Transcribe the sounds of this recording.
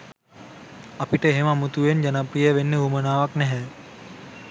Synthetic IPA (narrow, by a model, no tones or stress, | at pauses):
ɐpiʈəɦemamut̪uʋend͡ʒɐnapɾijəʋenːəumənaːʋaknɛɦɛː